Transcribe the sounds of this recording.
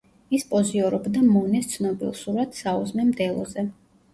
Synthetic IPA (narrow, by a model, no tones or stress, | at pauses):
ispʼɔziɔɾɔbd̪amɔnɛst̪sʰnɔbḭlˠsuɾad̪sauzmɛmd̪ɛlˠɔ̰zɛ